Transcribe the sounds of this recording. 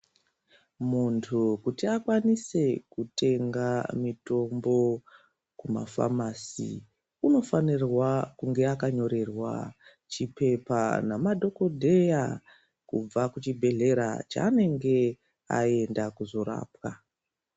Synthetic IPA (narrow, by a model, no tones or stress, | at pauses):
muntʰukutiakwanise̞kute̞ŋɡamito̞mbo̞ | kuma̰fa̰masḭ | uno̞fanirwakuŋɡe̞akaɲo̞ɾe̞rwa̰ | t͡ʃipe̞panamadʱo̞ko̞dʱe̞ja | kub͡vakut͡ʃibʱe̞ɮe̞ɾa̰t͡ʃa̰ːne̞ŋɡe̞ | a̰e̞ndakuzo̞ɾa̰ːpwa